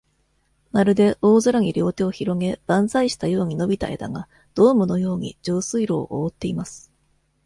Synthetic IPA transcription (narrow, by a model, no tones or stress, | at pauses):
maɾɯ̟d̪e̞ʔoːzɨɾaɲ̟iɾʲo̞ːt̪e̞oçiɾo̞ŋe̞b̥ãñzaiɕi̥t̪ajo̞ːɲ̟ino̞bʲit̪a̰e̞̰d̪a̰ɡa | d̪̥o̞ːmɯ̟no̞jo̞ːɲ̟ḭd͡ʑoːsɨiɾo̞̰ːʔoːt̪ːe̞imasɨ̥